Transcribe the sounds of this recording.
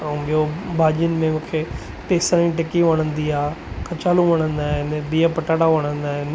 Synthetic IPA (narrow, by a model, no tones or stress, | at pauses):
ɓijobʱaːʄijənɪ̆mẽmũːkʰe | ʈeːsəɾĩʈɪkiʋɐɽ̃ə̃nd̪iaːkʰɐt͡ɕaːlũʋɐɽ̃ə̃nd̪aːɦɪnɓiːapɐʈaːɽaʋɐɽ̃ə̃nd̪aːɦɪn